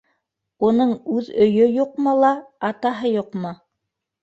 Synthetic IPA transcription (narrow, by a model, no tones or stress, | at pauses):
unɤɴʉðɵ̆jɵjuqmɤlˠɑɑt̪ɑɦɤjuqmɤ